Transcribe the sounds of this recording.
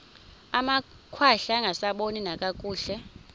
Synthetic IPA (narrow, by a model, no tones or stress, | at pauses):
ama | kʰwaɬaŋɡʱasaɓoninakʼakʼuːɬɛ